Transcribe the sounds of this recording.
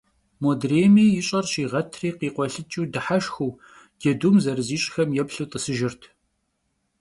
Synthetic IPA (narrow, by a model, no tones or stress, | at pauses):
moːdreːmiːjɪɕʼɐrɕiːʁɐtʰriːqiːqʷɔɬɨt͡ʃʼiːdɨħaʃxuː | d̥edumzɐrɨziːɕʼxɐmjɛpɬuːt̪ʼəsɨʒɪrtʰ